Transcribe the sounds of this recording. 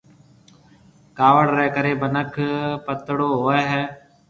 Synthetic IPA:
kaːʋəɽɾɛːkəɾeːbənəkʰpət̪ɽoːɦoːɛːɦɛː

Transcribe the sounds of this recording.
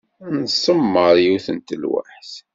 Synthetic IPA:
nsˤːəmːəɾjuθənt̪əlwa̰ħθ

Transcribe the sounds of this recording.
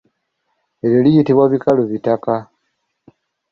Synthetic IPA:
eɾolijitiβwaβikaluβitaka

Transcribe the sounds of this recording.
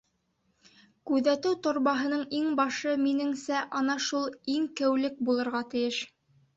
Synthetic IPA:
kʉðæt̪ɘwt̪ŏɾβɑɦɤ̆nɤɴiŋbɑʃɤminɘ̆ŋsæʔɑnɑʃulˠiŋkɘ̆wlɘk̚bulˠɤ̆ɾʁɑt̪ɘ̆jɘʃ

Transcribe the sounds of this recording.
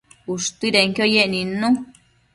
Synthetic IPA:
uʂt̪iɾeŋkjojeʔnĩnũ

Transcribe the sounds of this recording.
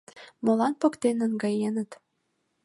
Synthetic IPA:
molɑnpɤ̆kt̪enə̆nɡɑjenə̆t̪

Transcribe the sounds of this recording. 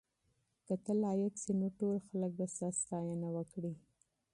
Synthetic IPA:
k̪ət̪əlɑjəksenoʈolxalək̚d̪əst̪ast̪ɑjanawəkɽi

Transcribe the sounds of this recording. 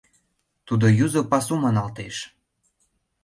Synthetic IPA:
t̪ud̪ojuzopɑsumɑnɑlt̪eʃ

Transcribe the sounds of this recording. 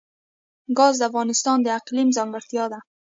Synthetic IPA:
ɡɑzd̪əafɣɑnɪst̪ɑnd̪əaqlimzɑŋɡəɾt̪jɑd̪a

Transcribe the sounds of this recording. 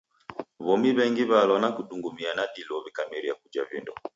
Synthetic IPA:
βɔmiβɛŋɡiβalɔnakuɗuŋɡumianaɗilɔβikamiɾiakud͡ʒa̰vḭndɔ

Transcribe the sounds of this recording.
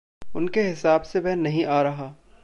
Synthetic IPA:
ʊnkeɦɪsaːbsebɛɦnːɐɦĩʔaːɾɐɦaː

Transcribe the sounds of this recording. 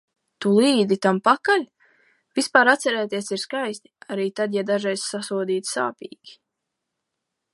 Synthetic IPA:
t̪ulˠiːd̪it̪ampakalʲ | vispaːɾat̪sɛɾɛːt̪iɛsiɾskajst̪i̥aɾiːt̪ad̪jad̪aʒɛjssasuɔd̪iːt̪sa̰ːpḭːɡʲi̥

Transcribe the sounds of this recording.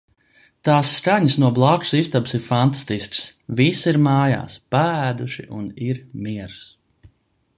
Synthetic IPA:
t̪aːsːkaɲəsnuɔblˠaku̥sist̪absiɾfant̪ḁst̪isksvisiɾmaːja̰ːspaæːd̪uʃiʔuniɾmiɛɾs

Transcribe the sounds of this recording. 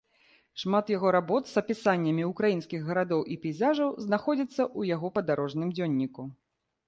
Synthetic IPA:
ʂmat̪jaɣɔɾabɔt̪zɐpʲisanʲːɐmʲiukɾajinskʲiɣɣɐɾad̪ɔwʔipʲɛjzaʐɐwznaxɔd͡zʲit̪sːɐʔujaɣɔpɐd̪aɾɔʐnɨmd͡zʲɔnʲːiku

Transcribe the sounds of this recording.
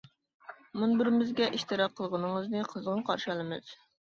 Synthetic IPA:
munbɪɾɪmɪzɡʲɛʔiʃt̪ɨɾɑqʰːəlˠʁənɨŋəznɨqʰəzʁənqʰɑɾʃɑlˠɨmɨz̥

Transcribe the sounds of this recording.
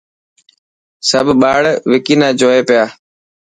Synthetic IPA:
səbʱɓaːɽʋɪkiːnãːd͡ʒoːeːpɪjaː

